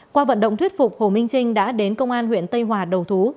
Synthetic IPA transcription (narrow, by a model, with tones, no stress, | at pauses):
kwaː˧və̰˧˨nɗə̰˧˨ŋ͡mt̪ʰwi˦˥t̚fʊ˨˩k͡p̚ho˧˩mï˧ŋ̟t͡ɕï˧ŋ̟ɗa̰ː˧˥ɗe˨˦nkə˧wŋ͡mʔaː˧nhwḭ˧˨ənt̪ə˧jɦwaː˨˩ɗə˨˩wt̪ʰu˨˦